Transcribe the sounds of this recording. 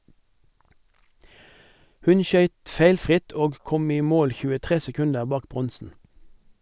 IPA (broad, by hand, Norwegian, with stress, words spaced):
ˈhʉn ˈʃœʏt ˈfeɪlfʁɪt ˈoːɡ ˈkɔm ˈiː ˈmoːl çʉːəˈtʁeː sɛˈkʉndəʁ ˈbɑːk ˈbʁɔnsn̩